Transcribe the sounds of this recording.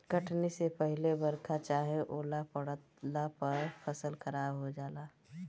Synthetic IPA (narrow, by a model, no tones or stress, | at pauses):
kəʈnisepəɦɪlebəɾkʰat͡ʃaːɦeʔoːlapəɽt̪ | lapəɾpʰəsəlxəɾaːbɦod͡ʒaːlaː